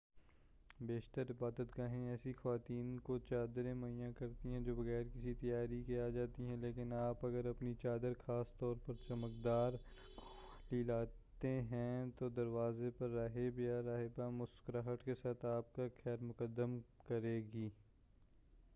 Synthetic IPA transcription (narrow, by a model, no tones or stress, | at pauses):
beːʃt̪əɾɪbaːd̪ət̪kaɦẽɛːsixɐʋaːt̪iːnkot͡ʃaːd̪ɾẽmɐijãkɐɾt̪iɦɛ̃d͡ʒoːbɐɣɛːɾkɪsit̪ɐjaːɾikiaːd͡ʒaːt̪iɦɛ̃leːkɪnaːpɐɡəɾɐpnit͡ʃaːd̪əɾxaːst̪ɔːɾpɐɾt͡ʃɐmək̚d̪aːɾ | liːlaːt̪eɦɛ̃t̪od̪ɐɾʋaːzepɐɾːɐɦebjaɾaːɦebamʊskɾaɦəʈkesaːt̪aːp̚kaxɛːɾmʊkəd̪ːəmkɐɾeːɡiː